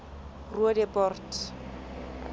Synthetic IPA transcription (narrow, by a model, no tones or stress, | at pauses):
ruadɛpɔrtʰ